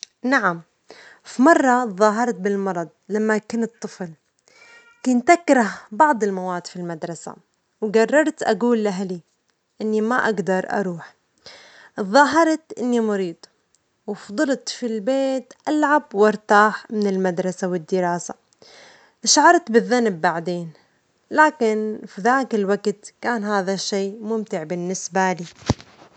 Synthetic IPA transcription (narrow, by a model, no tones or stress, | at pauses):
naʕam | fimɑrˤːɑðˤɑːɦɑɾˤt̪̚bɪlmɑɾˤɑd̪̚ˤlamːakanɨt̪ˤːɨfl | kʊnt̪ʔakɾaɦbɑʕd̪ˤɪlmawaːd̪filmad̪ɾˤɑsa̰ | wɡɑrˤːɑɾˤt̪ʔa̰ɡuːlːaɦali | ʔɪnːimaʔaɡd̪ɑɾˤʔɑ̰ɾˤuːħ | ðˤɑːɦɑɾˤt̪ʔɪnːimʊɾiːd̪ˤ | wɪfd̪ˤɨlt̪filbeːt̪ʔalʕabwʔɑɾˤt̪aːħmɪnɪlmad̪ɾˤɑsawɪd̪ːɪɾaːsa̰ | ʔɪʃʕɑɾˤt̪bɪðːanbːaʕd̪eːn | laːkɪnfiðaːkɪlwaɡt̪kaːnɦaːðaʃːeːmʊmt̪ɪʕbɪnːɪsbaliː